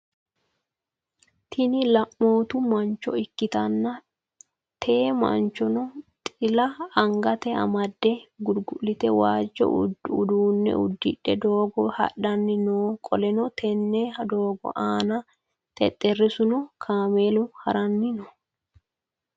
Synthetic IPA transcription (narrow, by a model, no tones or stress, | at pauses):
t̪ʰɪnɪlɐʔːo̞ːt̪ʊmɐnt͡ʃːɔ̰ɪkːɪt̪ɐnːɐ | t̪ʰe̞ːmɐ̰nt͡ʃɔnɔt̪ʼɪlɐɐŋɡɐt̪ɛɐ̰mɐd̪ːɛɡʊɾɡʊlːɪt̪ɛwaːd͡ʒːɔ̰ʊ̰dʊ̰d̪uːnːɛ̰ʊd̪ːɪ̰ᶑːɛd̪oːɡɔhɐ̰ɗːɐnːɪnoːkʼɔlɛnɔt̪ʰɛnːɛhɐd̪o̞ːɡɔ̰ʔaːnɐ | t̪ʰɛ̰t̪ʼːɛrːɪsʊnɔkʰaːmeːlʊhɐɾɐnːɪnɔ